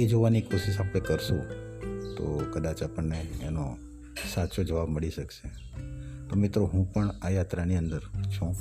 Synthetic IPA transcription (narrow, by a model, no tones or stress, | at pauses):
ed͡ʒoʋanikoʃiʃapɽekəɾʃũt̪o̰kəd̪at͡ʃapəɳːeːno | sat͡ʃod͡ʒəʋabməɭiʃəkʃe | t̪omɪt̪ɾoɦũpəɳajat̪ɾaniə̃nd̪əɾt͡ʃʰũ